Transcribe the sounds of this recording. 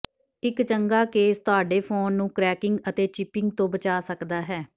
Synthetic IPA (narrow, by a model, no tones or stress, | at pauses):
ɪkt͡ʃəŋɡaːkeːst̪ʊaːɖeːpʰoːnːũːkɾɛːkɪŋɡət̪eːt͡ʃɪpɪŋɡ̚t̪õːbət͡ʃaːsəkd̪aːɦɛː